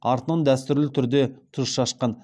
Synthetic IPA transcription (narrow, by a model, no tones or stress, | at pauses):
ɑɾt̪ənəɴd̪æst̪ʏɾlɪt̪ʰʏɾd̪e̞t̪ʰʊʃɑʃqɑn